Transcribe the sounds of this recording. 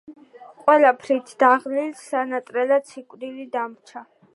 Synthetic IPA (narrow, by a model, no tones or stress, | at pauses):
qʼwɛlapʰɾit̪ʰd̪̥aʁlilsanat̪ʼɾɛlat̪sʰikʼwd̪ilid̪amt͡ʃʰa